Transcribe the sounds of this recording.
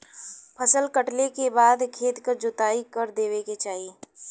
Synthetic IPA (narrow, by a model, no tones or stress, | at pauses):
pʰɐsəlkəʈlekebaːd̪kʰeːt̪kəɾd͡ʒʊt̪aːikɐɾd̪eːʋeket͡ʃaːɦieː